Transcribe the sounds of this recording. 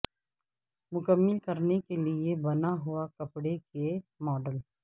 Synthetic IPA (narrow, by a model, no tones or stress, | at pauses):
mʊkəmːəlkɐɾnekeliebɐnaɦʊakɐpɽekemɔːɖəl